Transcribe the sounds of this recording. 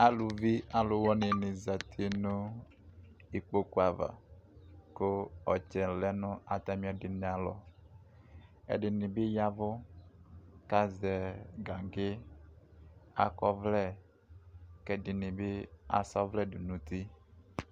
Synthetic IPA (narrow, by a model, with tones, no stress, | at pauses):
a˨lu˨vi˦a˨lʊ˨wɔ˦ne˨nɪ̃˨za˨t̪ʰi˦nʊ̃˦ | i˨k͡po˦ko˦a˨va̰˨ | ko˦ɔ˨t͡ʃɛ˨lɛ˦nʊ̃˦a˨t̪a˨mĩ˦a˨dɪ˨nẽ˨a˨lɔ̰˨ | ḛ˨ɖɪ˨nĩ˨be˦ja˦vʊ˦ | ka˦zɛ˨ɡa˨ŋɡe˦ | a̰˨kɔ˦vlɛ˦˨ | kɛ˨ɖɪ˨nĩ˨be˦a̰˨sɔ˦vlɛ˦du˨nũ˨t̪i˦